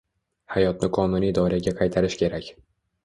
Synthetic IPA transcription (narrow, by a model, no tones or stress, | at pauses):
hajɒt̪̚nɪqʰɒnunijd̪ɒɾiaɡʲaqʰɑjt̪ʰaɾɪʃkʲʰe̞ɾakʲ